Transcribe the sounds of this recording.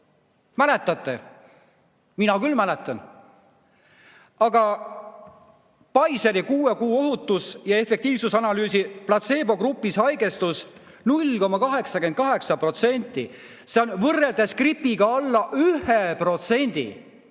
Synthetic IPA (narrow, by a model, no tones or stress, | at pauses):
mæle̞t̪ːˑɑt̪ːˑe̞ | minɑkylmælet̪ːˑɑn | ɑɡ̥ɑ | pɑjseɾikuːekuːo̞ɦut̪ːusjɑe̞fek̚t̪iːvsusɑnɑlyːsiplɑt̪se̞ːbo̞ɡɾupːˑisɑjɡe̞st̪us | nulʲko̞mɑkɑɦe̞ksɑke̞n̚kɑɦe̞ksɑpro̞t̪se̞nʲt̪ːˑi | seo̞nvɤrːe̞ld̪̥eskripːˑiɡ̥ɑɑlːɑʔyhepro̞t̪se̞nʲd̪̥ḭ